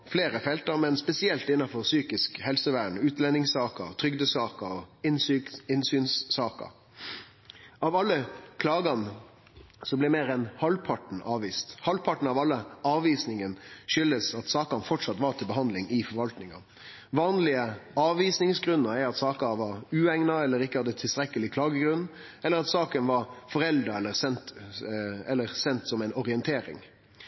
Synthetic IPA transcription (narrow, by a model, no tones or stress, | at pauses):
fleːɾəfɛlt̪əɾmɛnspɛsɪɛlt̪ɪnːɑfɔɾsyːkɪskhɛlsəʋæːɳʉːt̪lɛnːɪŋsɑːkəɾt̪ʰɾʏɡd̪əsɑːkəɾɔɪnsyɪnsyːnsːɑːkə̰ɾ | ɑʋɑlːəkʰlɑːɡɑn | sɔblɛmeːɾɛnhɑlpʰɑʈɳ̩ɑːʋiːst̪hɑlpʰɑʈɳ̩ɑʋɑlːəɑːʋiːsnɪŋənʃʏləsɑt̪sɑːkɑnfɔʈʂɑt̪ʋɑɾt̪ʰɪlbəɦɑnd̪lɪŋɪfɔɾʋɑlt̪nɪŋɑ̰ | ʋɑːnlɪəɑːʋʋiːsnɪŋsɡɾʉnːəɾɛɾɑt̪sɑːkɑʋɑɾʉːɛŋnɑɛlːəɾɪkːəhɑd̪ːət̪ʰɪlst̪ɾɛkːəlɪkʰlɑːɡəɡɾʉnː | ɛlːəɾɑt̪sɑːkənʋɑɾfɔɾɛld̪ɾəɛlːəɾsɛnt̪ | ɛlːəɾsɛnt̪sɔmɛɪnɔɾɪənt̪ʰeːɾɪ̰ŋ